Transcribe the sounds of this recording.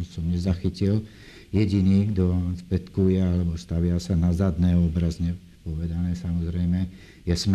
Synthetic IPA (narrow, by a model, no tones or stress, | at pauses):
nsɔmɲɛzaxicil | jɛɟiniːɡd̪ɔʋanspɛt̪kujɛalɛbɔst̪aʋɪasanazad̪nɛːɔbɾazɲɛ | pɔʋɛd̪anɛːsamɔzɾɛjmɛ | jɛsm